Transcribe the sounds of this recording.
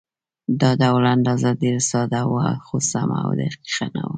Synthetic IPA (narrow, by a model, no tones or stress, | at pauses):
d̪ɑd̪awland̪ɑzɑd̪iɾsɑd̪awaxosama̰d̪ə̰qi̥xana̰wu